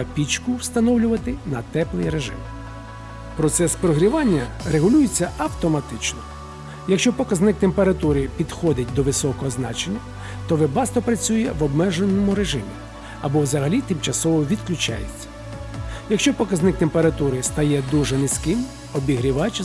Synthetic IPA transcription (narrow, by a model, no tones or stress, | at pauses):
ɐpʲit͡ʃkʊwst̪ɐnɔwlʲʊʋɐt̪ɪnɐt̪ɛplˠɪjɾeʒɪ̰m | pɾɔt̪sɛspɾɔɦɾʲiʋɑnʲːɐreɦʊlʲujɪt͡sʲːɐɐwt̪ɔmɐt̪ɪt͡ʃnɔ | jɐkʃt͡ʃɔpɔkɐznɪk̚t̪empeɾɐt̪uɾɪpʲid̪xɔd̪ɪt̚ʲd̪ɔʋɪsɔkɔɦɔznɑ̰t͡ʃenʲːɐ | t̪ɔʋɪbɑst̪ɔpɾɐt͡sʲujɛʋɔbmɛʒenːɔmʊɾe̞ʒɪmʲi | ɐbɔwzɐɦɐlʲit̪ɪmt͡ʃɐsɔʋɔʋʲid̪̚klʲʊt͡ʃɑ̰jet͡sʲːɐ̥ | jɐkʃt͡ʃɔpɔkɐznɪk̚t̪empeɾɐt̪uɾɪst̪ɐjɛd̪uʒɛnɪsʲkɪm | ɔbʲiɦɾʲiʋɑt͡ʃ